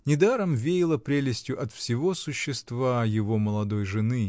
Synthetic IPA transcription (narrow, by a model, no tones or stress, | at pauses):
nʲɪd̪aɾəmvʲejɪlˠəpɾʲelʲɪsʲtʲjʊʔɐt̪fsʲɪvo̞sʊɕːɪst̪vajɪvo̞məlˠɐd̪o̞jʐɨnɨ